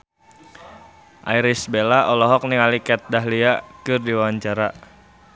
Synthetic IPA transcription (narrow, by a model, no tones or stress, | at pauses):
ʔa̰iɾisbelaʔɔlɔɦɔk̚niŋalikɛt̪̚daɦliakɨrdiwawaɲt͡ʃaɾa